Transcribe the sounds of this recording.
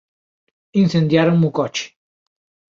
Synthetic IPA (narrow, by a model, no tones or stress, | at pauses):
insend̪jaɾəmukɔt͡ʃ